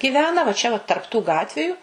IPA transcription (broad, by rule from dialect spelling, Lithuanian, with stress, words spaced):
ɡʲɪˈʋʲæːnɐ ʋɐ ˈt͡ʃʲɛ ʋɐ tɐrp tuː ˈɡɑːtʲʋʲɪjʊ